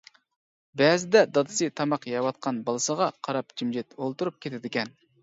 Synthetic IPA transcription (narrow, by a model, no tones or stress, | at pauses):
bɛːzɪd̪ɛd̪ɑd̪ɨ̥sɨt̪ʰɑmɑqjɑwɑt̪̚qʰɑnbɑlˠɨsəʁɑqʰɑɾɑpd͡ʒimd͡ʒɛt̪olˠt̪uɾup̚kʲʰet̪ʰɪd̪ɪkʲɛn